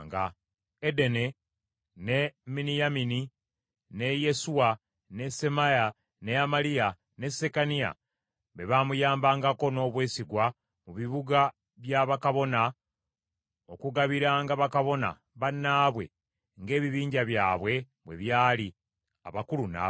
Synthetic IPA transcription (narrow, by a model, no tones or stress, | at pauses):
ŋɡa | ede̞ne̞ | neminijamini | ne̞je̞suwa | ne̞se̞maja | ne̞amalija | ne̞se̞kanija̰ | βe̞βamujaːmbaːŋɡako̞no̞ːβwe̞ːsiɡwa | muβiβuɡa | βjaβakaβo̞na | o̞kuɡaβiɾaːŋɡaβakaβo̞na̰ | βanːaːβwe̞̰ | ŋɡe̞ːβiβiːɲɟaβjaːβwe̞ | βwe̞̰βjaːli | a̰βakuluna̰ː